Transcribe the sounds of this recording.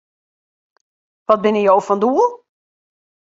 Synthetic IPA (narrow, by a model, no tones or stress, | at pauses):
ʋɔt̚bɪnəjowfɔnduːəlˠ